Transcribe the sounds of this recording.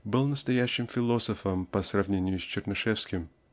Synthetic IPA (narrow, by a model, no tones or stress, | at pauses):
bɨlˠnəst̪ɐjæɕːɪmfʲɪlˠo̞səfəmpəsrɐvnʲenʲɪjʊsʲt͡ɕɪrnɨʂɛfskʲɪm